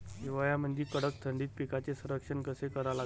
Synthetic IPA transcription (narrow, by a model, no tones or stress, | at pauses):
ɦiʋajam̤əɳd͡ʑiːkəɽək̚t̪ʰəɳɖiːt̪̚pikat͡sesuɾəkʂənkəsekəɾala